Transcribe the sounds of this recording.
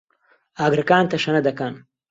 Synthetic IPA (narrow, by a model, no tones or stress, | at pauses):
aːɡɾɐkaːnt̪ɐʂɐnɐd̪ɐkaːn